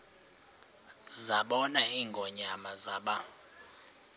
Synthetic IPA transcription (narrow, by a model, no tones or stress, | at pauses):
zaɓɔnaiːŋɡʱɔɲamazaːɓa